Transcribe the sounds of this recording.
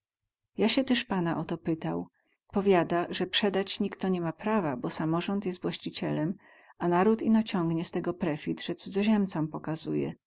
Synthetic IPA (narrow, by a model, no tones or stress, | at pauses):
jaɕɛt̪ɛʂpanaʔɔt̪ɔpɘt̪aw | pɔvʲjad̪aʐɛpʂɛd̪at͡ɕɲikt̪ɔɲɛmapɾavabɔsamɔʐɔnt̪jɛst̪vwaɕt͡ɕit͡ɕɛlɛm | anaɾut̪inɔt͡ɕɔŋɡɲɛst̪ɛɡɔpɾɛfʲit̪ʐɛt̪sud̪zɔʑɛmt̪sɔmpɔkazujɛ̰